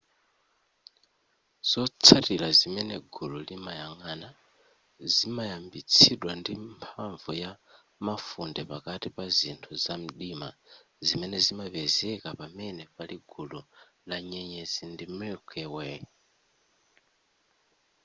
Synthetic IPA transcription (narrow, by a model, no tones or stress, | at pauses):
z̥ɔt͡sʰatilazimɛnɛɡululimajaŋana | zimajambit͡sʰiɗwandimpʰaɱvuja | mafundɛpakatipazintʰuzam̩ɗima̰ | zimɛnɛzimapɛzɛkapamɛnɛpaliɡulu | laɲɛɲɛzindimɛkʰɛwɛ